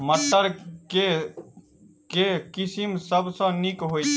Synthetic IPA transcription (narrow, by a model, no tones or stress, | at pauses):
mət̪ːəɾke | kekisimsəbsɔ̃nikɦoi